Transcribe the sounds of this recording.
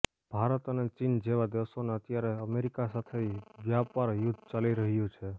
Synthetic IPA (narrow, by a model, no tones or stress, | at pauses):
b̥ʱaɾət̪ənet͡ʃind͡ʒeʋad̪iʋsoneət̪jaɾeəmeɾikasat̪ʰeʋjapaɾjʊd̪ʱt͡ʃaliɾəɦjũt͡ʃʰe